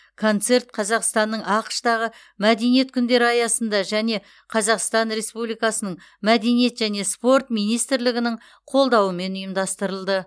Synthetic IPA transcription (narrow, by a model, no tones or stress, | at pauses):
kʰo̞nt̪se̞rt̪̚qʰɑzɑqst̪ɑnːəɴɑqə̥ʃt̪ɑʁə | mæd̪e̞nije̞t̪̚kʲʰʏnd̪e̞ɾɪɑjɑsənd̪ɑʒæne̞ | qʰɑzɑqst̪ɑnɾe̞spublijkɑsənəɴ | mæd̪enije̞t̪ʒ̥æne̞spo̞rt̪mijnijst̪ɪɾlɪɡʲɪnɪɴ | qʰo̞lˠd̪ɑwəme̞nʊjəmd̪ɑst̪əɾəlˠd̪ə